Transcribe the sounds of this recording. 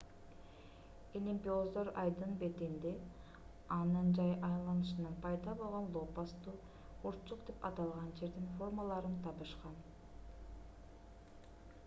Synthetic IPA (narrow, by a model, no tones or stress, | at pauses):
elʲimʲpʲiozd̪o̞ɾɑjd̪ɯnbe̞t̪ind̪e | ɑnɯnd͡ʒɑjʔɑjlˠɑnɯʃɯnɯnpʰɑjd̪ɑbo̞lˠʁo̞nlˠopast̪u | uɾt͡ʃuqd̪epɑt̪ɑlˠʁɑnd͡ʒe̞ɾd̪info̞rmalˠɑɾɯnt̪ʰɑpɯʃqɑn